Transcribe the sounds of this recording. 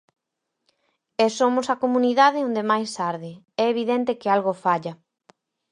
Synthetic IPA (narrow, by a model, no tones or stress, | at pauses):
esomʊsɐkomuniðaðɪõnd̪emajsaɾðɪ | ɛeβ̞iðɛnt̪ɪkealɣofaʎɐ